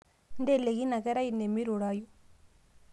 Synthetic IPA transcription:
ndelːeɣinɐɡɐɾajinːemːiɾuɽaːju

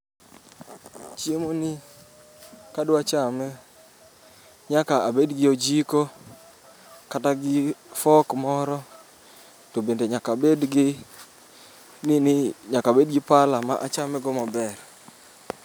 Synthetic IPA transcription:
t͡ʃjemonɪ | kadoat͡ʃamɛ | ɲakaabedɡɪod͡ʒiko | kataɡɪfɔkmɔɾɔ | tobendeɲakabedɡɪ | nɪnɪɲakabed̚ɡɪpalamaʔat͡ʃamɛɡɔmabɛr

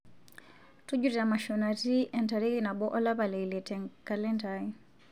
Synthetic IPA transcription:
tud͡ʒuɾiamaʃɔnatiʔɛntaɾikinaɓɔʔɔlapalɛilɛtɛŋkalɛntai

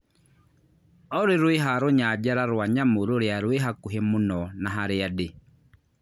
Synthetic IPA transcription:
ɔɾiɾweɦaɾoɲad͡ʒaɾaɾwaɲamuɾoɾjaɾweɦakuɦɛmunɔnaɦaɾɪadɪ

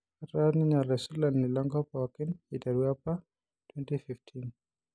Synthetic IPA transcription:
atɾaniɲalːɛsulannilɔŋɡɔpɔkɪnitaɾuapa | tʰwɛntififtʰin

